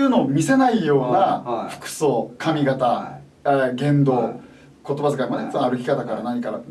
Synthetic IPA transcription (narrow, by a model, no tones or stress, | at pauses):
ɯːnoːmʲise̞naijo̞ːnaɸɯ̟̥kɯ̟̥soːkʰamʲiɡat̪a | eɡẽ̞nd̪o̞ː | ko̞t̪o̞bazɨkaimad̪eit͡sbãaɾɯ̟kʲi̥kat̪akaɾanaɲ̟ikaɾa̰